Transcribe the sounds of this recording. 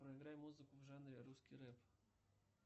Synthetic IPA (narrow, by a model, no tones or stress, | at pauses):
pɾoɪɡɾajmuzɨkʊvʐanɾʲɪɾuskʲiɾɛp